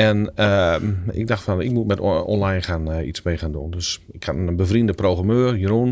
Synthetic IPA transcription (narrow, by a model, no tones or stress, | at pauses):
ɛnəɪ̰ɡ̚daxtfanɪ̰k̚mutmɛtɔ̰nlajnχaːnḭsmejχaːndundøs | ɪkhatəbəvriəndəprowɣramøːrjəɾun